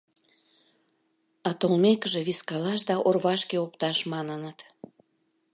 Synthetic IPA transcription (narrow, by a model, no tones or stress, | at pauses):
ɑt̪olmekəʒeβiskɑlɑʃ̬d̪ɑʔorβɑʃkeopt̪ɑʃmɑnənət̪